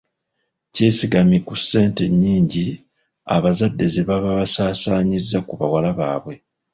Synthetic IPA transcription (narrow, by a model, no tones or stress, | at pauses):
ce̞ːsiɡamikusːe̞ːnte̞ɲːiːɲɟi | a̰βazadːe̞zeβaβaβasaːsaːɲizːakuβa̰walaβa̰ːβwe̞